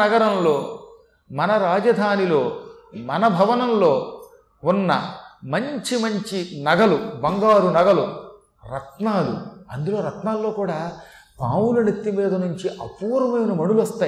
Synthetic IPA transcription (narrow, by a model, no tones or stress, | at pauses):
ɐɡɐɾɐmloː | mɐnɐɾaːd͡ʒɐd̪ʱaːnilo̞ː | mɐnɐbʱɐʋɐnɐmlo̞ː | unːɐ̰mɐɲt͡ʃimɐɲt͡ʃinɐɡɐlubɐŋɡaːɾunɐɡɐlu | ɾɐt̪naːlṵɐ̰nd̪ulo̞ːɾɐt̪naːlːo̞ːkuːɽaː | pa̰ːwulɐnit̪ːimiːd̪ɐnuɲt͡ʃiʔɐpuːɾɐmɐjinɐmɐɳuluʋɐst̪aːj